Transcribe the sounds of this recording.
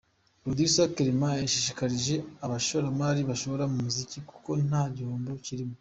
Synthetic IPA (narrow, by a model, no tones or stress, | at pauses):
ɾod̪isojakeɾimaeʃiʃikaɾiʒe̞aβaʃoɾamaɾiβaʃo̞βoɾamumuziciku̥ko̞n̥aːɟoːmbo̞ciɾimo